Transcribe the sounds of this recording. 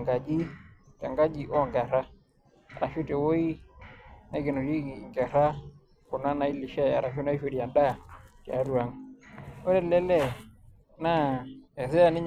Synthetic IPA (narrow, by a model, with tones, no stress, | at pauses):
ŋɡa˨d͡ʒi˦ta˨ŋɡa˦d͡ʒi˦˨ʔɔ˦˨ŋɡa˨ɾa˦ | a˨ɾa˨ʃu˦te˨wo˦i˦ | na˨i˦ɡe˨no˨d͡ʒi˦˨ŋɡɛ˨ɾa˦ | ku˨na˦na˨i˦li˨ʃɛ˦a̰˨ɾa˨ʃo˦na˦i˦ʃwe˨di˨a˨nda˦tɛ˨a˦ɾu˨a˨ŋ | o˦ɾɛ˦lɛ˦lɛ˨ | na˦ɛ˨sɛ˦a˨nɪ˦ɲ